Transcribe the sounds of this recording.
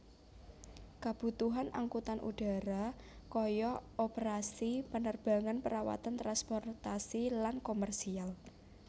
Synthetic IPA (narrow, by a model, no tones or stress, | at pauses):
kab̥ṳt̪uɦanʔa̰ŋkut̪anʔṵɖ̥a̤ɾa | kɔjɔopəɾasipənərb̥a̤ŋanpəɾawa̰t̪ant̪ɾanspɔrt̪asilankomərsial